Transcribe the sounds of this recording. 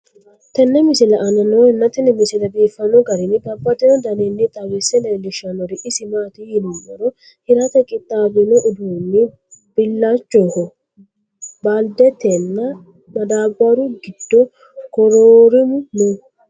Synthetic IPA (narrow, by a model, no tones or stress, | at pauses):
t̪ɛnːɛmɪsɪlɐʔːnɐnɔɛnːɐt̪ɛnɛmɪsɪlɐbiːfːɐnɔɡɐɾɪnɪbɐbːɐt̪ɛnɔd̪ɐnenːɪt̪ʼɐɡɪsɛnɛlɪʃɐnɔɾɪʔɪsɪmaːt̪ɪjɪnʊmːɐɾɔ | hɪɾɐt̪ɛkʼːɪt̪ʼːaːbɪnɔʔʊd̪uːnːɪ | b̥ɪlːat͡ʃʼːɔːhɔ | baːld̪ɛt̪ɛnːɐ | mɐd̪aːbaɾʊɡɪd̪̥ːɔ | kɔɾoːɾɪmʊnɔ